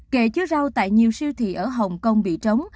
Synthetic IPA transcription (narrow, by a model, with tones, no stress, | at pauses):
ke˧˩t͡ɕɨ˧˦za˧wt̪a̰ː˧˨jɲi˨˩əwsi˧wt̪ʰḭ˧˨˩ʔəː˧˩ɦə˨˩wŋ͡mkə˧wŋ͡mɓḭ˧˨t͡ɕə˨˦wŋ͡m